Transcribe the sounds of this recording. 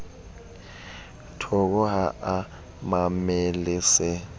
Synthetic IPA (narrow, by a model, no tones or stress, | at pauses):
tʰɔk̬ɔɦaʔa | mamelisɛ